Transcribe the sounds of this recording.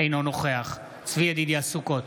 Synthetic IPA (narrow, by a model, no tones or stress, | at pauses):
ejnonoχeaχ | t͡sviad̪id̪iasuko̞t̪